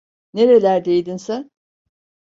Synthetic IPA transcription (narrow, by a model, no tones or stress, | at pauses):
neɾe̞lʲæɾd̪e̞jd̪insæ